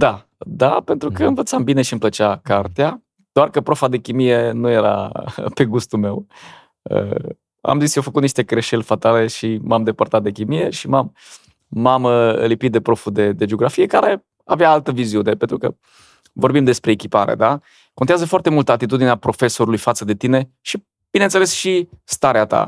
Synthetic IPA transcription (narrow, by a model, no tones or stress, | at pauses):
d̪a | d̪ape̞nt̪ɾukəɨnvət̪sambine̞ʃiɨmplət͡ʃakart̪ea | d̪̥oarkəpɾo̞fad̪e̞kʲimije̞nuje̞ɾa̰pe̞ɡust̪ulme̞w | ə̰ | a̰mzisjofəkut̪niʃt̪e̞kɾe̞ʃe̞lʲfat̪ale̞ʃimamd̪e̞pərt̪at̪̚d̪ekʲimije̞ʃimamː | aməə̰lipit̪̚d̪e̞pɾo̞fud̪e̞d̪e̞d͡ʒeoɡɾafije̞kaɾe̞ | aveaalt̪əviziune̞pent̪ɾukə | vo̞rbimd̪e̞spɾe̞ːkʲipaɾḛd̪a | ko̞nt̪eazəfoart̪e̞mult̪əat̪it̪ud̪ineapɾo̞fe̞so̞ɾulujfat̪səd̪e̞t̪ine̞ | ʃi | b̥inent̪selesʃist̪aɾeat̪a̰